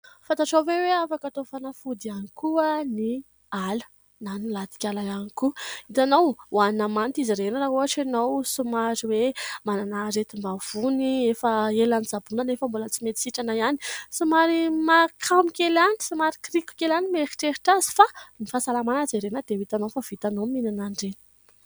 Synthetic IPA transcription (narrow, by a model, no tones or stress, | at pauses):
fant̪aʈ͡ʂawveweafakat̪ofanafud̪ianikuəni | alə̥ | nanilat̪i̥kʲalajanikuit̪anowwannamant̪iziɾenəɾaɦuɦaʈ͡ʂanowsumaɾiwemananaɾet̪imbav̥uniefəelanizabunanefəmbulət͡simet̪i̥siʈ͡ʂanaiani̥sumaɾimakʰamikʲelani̥sumaɾikriku̥kʲelanimeɾi̥ʈ͡ʂeɾiʈ͡ʂazi̥fanifasalamanad͡zeɾenəd̪ewit̪anofav̥it̪anominanaɳɖ͡ʐenə̥